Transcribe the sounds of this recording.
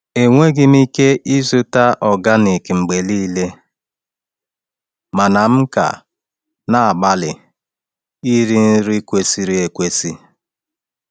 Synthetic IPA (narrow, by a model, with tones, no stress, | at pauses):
e˨ŋʷe˦ɡɪ˦m˦i˦ke˦ʔi˦zʊ˦ta˦ʔɔ˨ɡa˦ne˨ke˨ŋ͡m̩˨ɡ͡be˨li˦le˦ | ma˨na˨m̩˦ka̰˨ | na˨a˨ɡ͡ba˦lɪ̰˨ | i˦ɾi˦n̩˦ɾi˦kʷe˦si˦ɾi˦e˨kʷe˦si˦